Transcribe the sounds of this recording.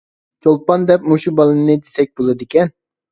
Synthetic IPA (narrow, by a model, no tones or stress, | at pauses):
t͡ʃʰolˠpɑnd̪ɛp̚muʃubɑlˠɨnɨd̪esɛk̚ʲbolˠɑd̪ɨkʲɛn